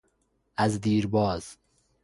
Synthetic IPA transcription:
azd̪iːɾbɒːz̥

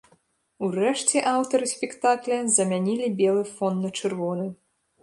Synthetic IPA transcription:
urɛʂt͡sʲɛʔawt̪ɐɾɨsʲpʲɛkt̪aklʲɐzɐmʲanʲilʲibʲɛlˠɨfɔnːɐt͡ʂɨrvɔnɨ

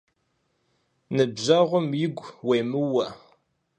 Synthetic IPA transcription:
nɨbʑɐʁʷʊmjɪɡʷweːmɨwɐ

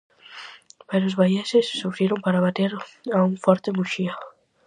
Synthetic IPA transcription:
peɾozβajesesːufɾjeɾompaɾaβat̪eɾaũŋfoɾt̪emuʃia

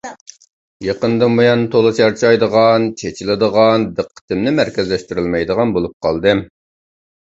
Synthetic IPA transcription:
jeqənd̪ɑmojɑnt̪ʰolˠɨt͡ʃʰɑɾt͡ʃʰɑjd̪əʁɑnt͡ʃʰet͡ʃʰilɪd̪əʁɑnd̪əqʰːə̥t̪ʰɪmnɪmæɾkʲɪzlɛʃt̪yɾylmɛjd̪əʁɑnbolˠup̚qʰɑ̰lˠd̪ɨ

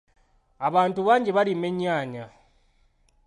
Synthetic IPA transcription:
aβaːntuβaːɲɟeβaɾime̞ɲaːɲa

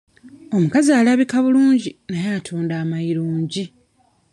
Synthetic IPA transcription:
o̞mukaziaːlaβikaβuluːɲɟinajaːtʰuːndaːmaiɾuːɲɟi

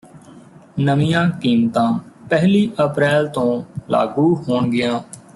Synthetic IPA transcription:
nəmijãːkiːmt̪ãːpɛɦliːʔəpɾɛːlt̪õːla̰ːɡuːɦoːɳɡɪjãː

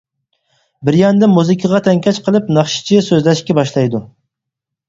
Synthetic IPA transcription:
bɪɾjɑnd̪ɪmuzɪkʲʰɪʁɑt̪ʰɛŋkʲʰɛt͡ʃqʰəlˠɨpnɑχʃɪ̥t͡ʃʰisøzlɛʃkʲɛbɑʃlˠɑjd̪u

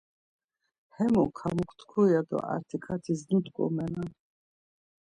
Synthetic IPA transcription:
hɛmɔkʰamukʰt̪ʰkʰujad̪ɔ̰ʔa̰ɾt̪ʰikʰat̪ʰiznit̪ʼkʼɔ̰mɛnan

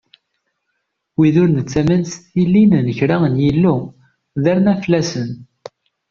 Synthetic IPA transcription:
wiðʊɾnət͡sːæmænsθilːinnəçɾæənjilːu | ðæɾnæflːæsən

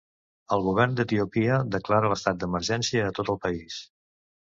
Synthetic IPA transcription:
əlˠɣuβ̞ɛrnd̪ət̪iupiəd̪əklaɾələst̪at̪̚d̪əməɾʒɛnsiəːt̪ot̪əlˠpəis

